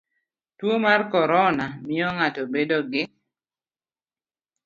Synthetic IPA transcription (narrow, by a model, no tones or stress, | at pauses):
twomarkɔɾɔnamɪɔŋatobedoɡɪ